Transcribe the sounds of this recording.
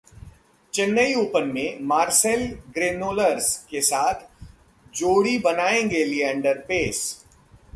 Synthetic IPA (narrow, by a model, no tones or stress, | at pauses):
t͡ʃɪnːəiuːpənmẽmaːɾsɛlɡɾeːnoːləɾskesaːt̪ʰ | d͡ʒoːɽibɐnaːẽɡelieɐ̃ɳɖəɾpeːs